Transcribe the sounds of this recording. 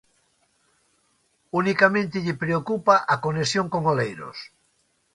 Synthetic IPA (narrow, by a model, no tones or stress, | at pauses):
unikamẽnt̪eʎepɾeokupaʔakonesjõŋkoŋolejɾo̰s